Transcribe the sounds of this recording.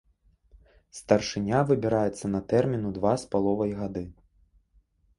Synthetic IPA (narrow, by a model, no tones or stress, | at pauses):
st̪ɐrʂɨnʲavɨbʲiɾajɛt̪sːɐnɐt̪ɛrmʲinud̪vaspalˠɔvɐjɣad̪ɨ